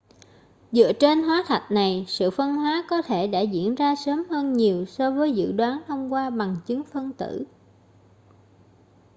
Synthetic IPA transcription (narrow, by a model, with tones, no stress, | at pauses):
zɨ̰˧˨ət͡ɕe˧nɦwaː˨˦t̪ʰa˨˩jt̚na˨˩jsɨ̰˧˨fə˧nɦwaː˨˦kɔ˨˦t̪ʰe˧˩ɗa̰ː˧˥zḭ˧˥ənzaː˧səː˨˦mhəː˧nɲi˨˩əwsɔ˧vəː˨˦jzɨ̰˧˨ɗwaː˨˦nt̪ʰə˧wŋ͡mkwaː˧ɓa˨˩ŋt͡ɕɨ˨˦ŋfə˧nt̪ɨ̰˧˩˨